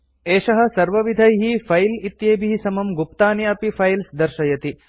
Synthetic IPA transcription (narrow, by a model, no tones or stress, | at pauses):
eːʃɐɦɐ̆sɐɾʋɐʋid̪ʱɐjɦifʰɐjlit̪jeːbiɦisɐmɐmɡupt̪aːniɐpifʰɐjlsd̪ɐɾʃɐjɐt̪i